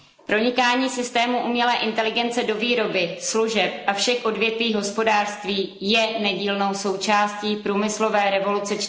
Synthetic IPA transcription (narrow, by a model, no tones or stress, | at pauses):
pɾo̞ɲɪkaːɲiːsɪst̪ɛːmuʔumɲɛlɛːʔɪnt̪ɛlɪɡɛnt͡sɛdo̞viːɾo̞bɪsluʒɛpʔafʃɛxʔo̞dvjɛt̪viːɦo̞spo̞daːʃst̪viːjɛnɛɟiːlno̞wso̞wt͡ʃaːsciːpɾuːmɪslo̞vɛːɾɛvo̞lut͡sɛt͡ʃ